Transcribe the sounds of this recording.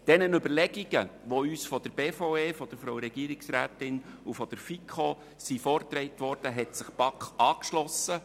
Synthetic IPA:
d̥ɛnənʏbəɾlɛɡ̥iɡ̥əʋoyːsfɔd̥̪əɾb̥eːfoeːfɔd̥əɾfɾowɾɛɡiːəɾiksɾæːt̪ɪnufɔd̥əɾfikʰχɔ | sifɔɾtɾɛɪtʋɔɾd̥əɦɛtsəχpɑkχɑːkʃlɔsːə

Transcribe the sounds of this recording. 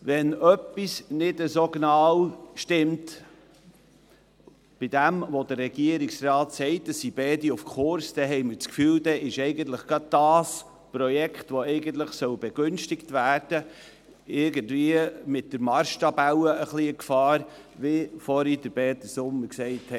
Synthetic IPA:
ʋɛnœpːisnɪdəsoɡnɑwʃtɪmt | b̥ɪd̥æmʋodərːɛɡ̥iəɾɪksrɑːtsɛɪt̚dəsːibɛːdiufkʰʊɾsd̥ɛɦɛɪməɾt͡skfyːldɛʔɪʃɛɪɡənt̪ləχɡ̥ɑd̚d̥ɑːs | pɾɔjɛkχtʋoɛɪɡənt̪̬ləχsœwb̥ɛɡ̥ʏnʃtɪktvæːɾd̥ə | ɪɾɡəndviəmɪt̚dəɾmɑɾʃtɑbawəʔəχliəkfɑːɾ | ʋɪfɔɾidəɾbɛːt̪əsʊmːəɾksɛɪtɛ

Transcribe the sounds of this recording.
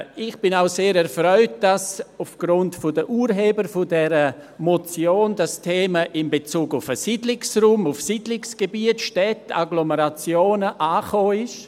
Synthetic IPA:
ɪχb̥ɪnaʊseːɾɛɾfrœʏt̚d̥asʊfɡ̥ɾʊntfʊdəʔuːɾɦeːbəɾfʊdɛɾəmɔt͡sjoːndastʰeːməʔɪmbet͡suːɡʊfəsidlɪksruːmʊfsidlɪksɡ̥ebiːətʃtɛta̰ɡloməɾat͡sjoːnəʔaːχoːɪʃ

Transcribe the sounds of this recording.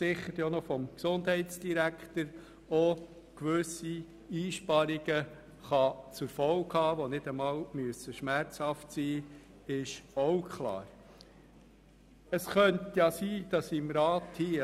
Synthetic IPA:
sɪχəɾjonɔfɔmksʊndhɛɪtt͡sd̥iɾæktəɾ | ɔ | kʋøsi | iːʃpɑɾiɡ̥ə | χɑt͡sʊɾfɔlkhɑːʋɔnɪd̥əmɑːlmyəsəʃmæɾt͡shɑftsiː | ɪʃɔwkʰlɑ̰ːɾ | əsχœnt̪jɑsiːd̥ɑsɪmɾɑːt̪hi

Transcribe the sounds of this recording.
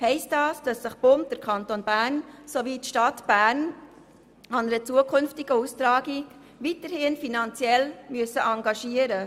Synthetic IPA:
hɛɪstdɑːsd̥ɑsːɪχb̥ʊnp̚d̥əɾkʰɑntoːnbæɾnsoʋitʃtɑtb̥æːɾn | ɑnəɾət͡suəkʰʏnftɪɡ̥əustɾɑːɡi | ʋitəɾhɪnfinɑnt͡sjɛlmyəsəʔɑŋɡɑʃiəɾə

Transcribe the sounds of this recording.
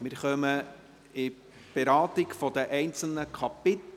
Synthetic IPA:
mɪɾχœmə | ɪ | b̥ɛɾɑːt̪ɪɡfɔd̥̪əʔɛɪnt͡sl̩nəkʰɑpɪt̪

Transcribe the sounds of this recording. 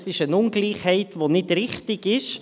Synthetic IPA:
sɪʃənʊnɡliːχhɛɪtʋonɪdɾɪχtɪɡɪʃ

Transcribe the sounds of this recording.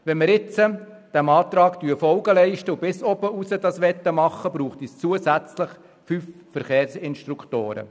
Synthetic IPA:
ʋɛnməɾɪt͡sə | d̥æmɑːt̪ɾɑːktyːfɔlɡəlɛɪʃtəubɪsɔbəusədɑsʋɛt̪ːəmɑχːəbɾuːχtist͡suəsæt͡slɪχ | fyf | fəɾχeːɾsɪnʃt̪ɾukʰtoːɾə̰

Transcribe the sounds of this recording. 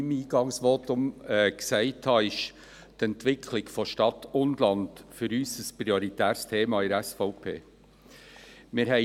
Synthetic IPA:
imiːɡ̥ɑŋsʋoːtʊmɛksɛɪthɑɪʃ | t̪ɛntʋɪkʰlɪɡfɔʃtɑtːʊnlɑnd̥fʏɾyːsəspɾioɾitæːɾst̪ʰeːmɑɪɾæsfɔʊpʰḛː | mɪɾɦɛɪ

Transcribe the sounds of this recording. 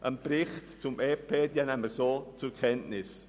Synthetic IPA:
ʔənbɾɪχtt͡sʊmeːpʰeːdjənɛməsoːt͡sʊkʰɛntnɪs

